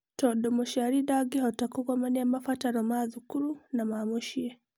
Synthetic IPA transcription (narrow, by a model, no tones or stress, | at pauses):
tɔdɔmɔʃaɾidaɡiɦɔtakukɔmaniamafataɾɔmaðukuɾunamamuʃie